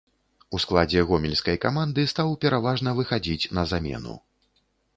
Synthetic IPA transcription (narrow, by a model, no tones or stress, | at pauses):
usklˠad͡zʲɛɣɔmʲɛlʲskɐjkamand̪ɨst̪awpʲɛɾavaʐnɐvɨxad͡zʲit͡sʲnɐzamʲɛ̰nṵ